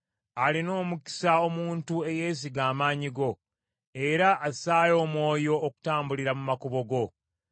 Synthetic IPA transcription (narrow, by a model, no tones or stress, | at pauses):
alino̞ːmuki̥sao̞muːntue̞je̞ːs̬iɡaːmaːɲiɡo̞ | e̞ɾaʔːsaːjo̞ːmwo̞ːjo̞ːku̥taːmbuliɾamumakuβo̞ɡo̞